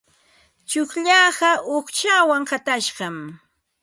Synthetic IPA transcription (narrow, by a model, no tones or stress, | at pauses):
t͡ʃʊkʎɑːɢɑʔoχt͡ʃawaŋhat̪aʃɢɑm